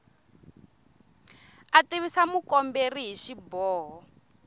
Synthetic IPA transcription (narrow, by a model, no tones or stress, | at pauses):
atiβisamukɔmberiɦiʃibɔːɦɔ